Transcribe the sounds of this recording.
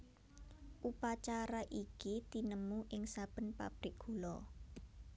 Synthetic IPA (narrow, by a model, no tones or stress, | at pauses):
ʔupat͡ʃaɾaʔikit̪inəmuʔɪŋsab̥ə̤npa̰b̥ɾɪk̚ɡ̥ṳlɔ